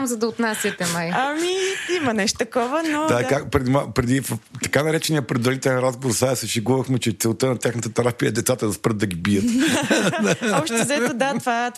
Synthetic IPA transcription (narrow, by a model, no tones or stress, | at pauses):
mzɐd̪ɐot̪nasʲjət̪ɛmajɐmiimɐnɛʃt̪o̥t̪ɐkɔvənod̪akakpɾɛd̪imapɾɛd̪ivt̪ɐ̥kanɐɾɛt͡ʃɛnijəpɾɛd̪vɐɾit̪ɛlɛnɾazɡovoɾsaɛsɛʃiɡuvɐxmɛt͡ʃɛt̪sɛlˠt̪ənɐt̪ʲjaxnət̪ət̪ɛɾapiəd̪ɛt̪sat̪əzɐspɾəd̪d̪ɐɡʲibijət̪d̪ɔpʃt̪ɛzɐɛt̪od̪at̪vat̪